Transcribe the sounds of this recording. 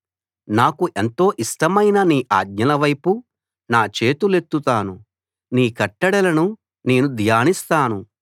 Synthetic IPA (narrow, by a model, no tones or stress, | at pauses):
naːkuʔent̪o̞ːʔisʈɐmɐjnɐniːʔa̰ːd̪̚ɲɐlɐʋɐjpu | naːt͡ʃe̞ːt̪ule̞t̪ːut̪aːnu | niːkɐʈːɐɽɐlɐnu | ne̞ːnud̪ʱjaːnist̪aːnu